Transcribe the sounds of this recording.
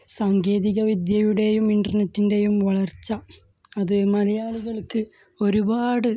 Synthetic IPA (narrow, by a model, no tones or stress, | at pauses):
saːŋɡe̞ːðiɣɐʋid̪jɐjuɽe̞jumiɳɖɐrnetːinde̞jumʋɐɭɐrt͡ɕːɐ | ɐðɨmɐlɐjaːɭuɣɐɭkɨ | o̞ɾubaːɽɨ